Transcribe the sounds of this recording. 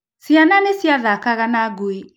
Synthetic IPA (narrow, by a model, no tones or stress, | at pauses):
sjananesjaðakaɣanaɡoe